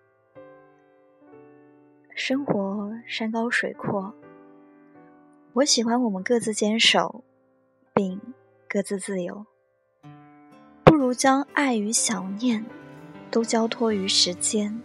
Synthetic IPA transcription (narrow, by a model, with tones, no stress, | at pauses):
ʂɤ˥ŋxwɔ˧˥ʂa˥nkɑ˥ʊʂwe˨˩ɪkʰwɔ˥˩ | wɔ˧˥ɕi˨˩xwa˥nwɔ˨˩mə˦nkɤ˥˧t͡sɹ̩˥˩t͡ɕjɛ˥nʂo˨˩˦ʊ | pi˥˧ŋ | kɤ˥˧t͡sɹ̩˥˧t͡sɹ̩˥˩jo˧˥ʊ | pu˥˩ɻu˧˥t͡ɕjɑ˥ŋa˥˩ɪy˧˥ɕjɑ˨˩ʊnjɛ˥˩nt̪o˥ʊt͡ɕjɑ˥ʊt̪ʰwɔ˥y˧˥ʂɻ̩˧˥t͡ɕjɛ˥n